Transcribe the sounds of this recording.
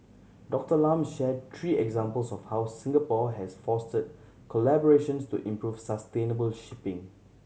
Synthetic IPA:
dɔk̚təlãmʃɛd̚t̪ʰɹiːɛɡzãmpəlsɔfhawsĩŋɡəpɔɦɛsfɔstəd̚ | kʰɔlɛbɔɹeʃə̃nstṵʔĩmpɹuvsəstẽnəbəlʃipɪ̃ŋ

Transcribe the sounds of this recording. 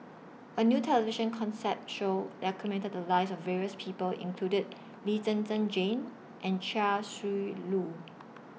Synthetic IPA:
ʔənjuːtʰɛləviʃə̃nkʰɔ̃nsɛp̚tʃoʊdɛkʰəmɛ̃ntəd̚dəlaɪsɔfːɛɹiəspʰiːpəlḭ̃ŋkʰludəd̚ | litə̃nsə̃nd͡ʒẽn | ʔɛ̃nt͡ʃasɹilu

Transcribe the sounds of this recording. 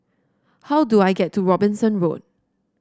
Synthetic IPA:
hawduajɡɛtʰːuɹɔbɪ̃nsə̃nɹo̰d̚

